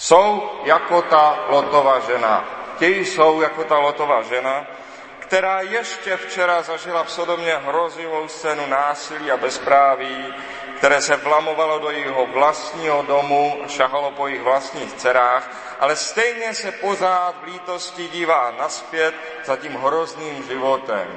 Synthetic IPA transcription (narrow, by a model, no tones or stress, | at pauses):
sowjakot̪alot̪ovaʒɛna̰cɛjɪsowjako̞t̪alot̪o̞vaːʒɛna | kt̪ɛɾaːjɛʃcɛft͡ʃɛɾazaʒɪlafsodomɲɛɦɾozɪvo̞wst͡sɛːnunaːsɪliːabɛspɾaːvi | kt̪ɛɾɛːsɛvlamo̞valodojɛɦovlast̪ɲiːɦodomuaʃaɦalopojɪɣvlast̪ɲiːxt͡sɛɾaːx | ʔalɛst̪ɛjɲɛsɛpo̞raːt̪vliːt̪oscɪɟiːvaːnaspjɛt̪ | zaciːmɦɾozniːmʒɪvot̪ɛ̰m